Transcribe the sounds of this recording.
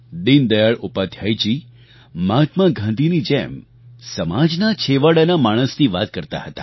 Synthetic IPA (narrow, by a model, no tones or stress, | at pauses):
d̪ind̪əjaɭupad̪ʰʱjajt͡ʃi | mat̪maɡʱãnd̪ʱinid͡ʒḛm | səmad͡ʒnat͡ʃʰeʋəɽanamaɽ̃əst̪ʰiʋat̪̚kəɾt̪a̰hət̪a̰